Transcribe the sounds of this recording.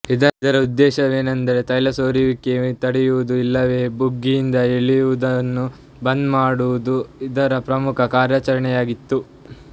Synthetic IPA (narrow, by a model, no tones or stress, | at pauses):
id̪ɐid̪ɐɾɐud̪ːɛːʃɐʋeːnɐnd̪ɐɾet̪ɐjlɐsoːɾiʋikːet̪ɐɽɛjuʋud̪uilːɐʋe̞ːbuɡːijind̪ɐeɭijuʋud̪ɐnːu | bɐnd̪maːɽuʋud̪uid̪ɐɾɐpɾɐmukʰɐkaːɾjat͡ʃɐɾɐɳɛjaːɡit̪ːu